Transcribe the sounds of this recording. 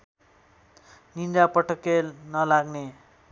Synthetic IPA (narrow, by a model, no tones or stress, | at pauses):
nind̪apʌʈʌkenʌlaɡne